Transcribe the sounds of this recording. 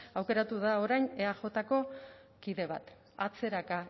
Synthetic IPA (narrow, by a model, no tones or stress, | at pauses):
awke̞ɾat̪uðao̞ɾajne̞aʝo̞t̪ako̞ | kiðe̞β̞a̰t̪ | at͡se̞ɾaka